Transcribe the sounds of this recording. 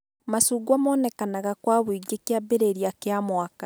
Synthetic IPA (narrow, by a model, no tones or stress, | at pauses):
masuːɡwamɔːnɛkanaɣakwaβwiɡekjabeɾeɾiakeamwaka